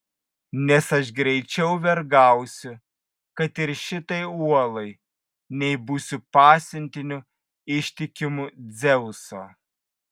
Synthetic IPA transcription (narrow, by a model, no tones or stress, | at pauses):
nʲɛsɐʃɡɾʲɛɪt͡ʃʲɛʊʋʲɛɾɡɑˑʊsʲʊ | kɐt̪ɪɾʃʲɪt̪ɐɪuɔlˠɐɪ | nʲɛɪbuːsʲʊpɑːsʲɪnʲt̪ʲɪnʲʊ | ɪʃʲt̪ʲɪkʲɪmʊd̪zʲɛʊsoː